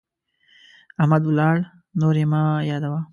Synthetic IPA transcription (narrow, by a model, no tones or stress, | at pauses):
ahmad̪ʊlɑːɭ | noːɾemɑjɑːd̪awa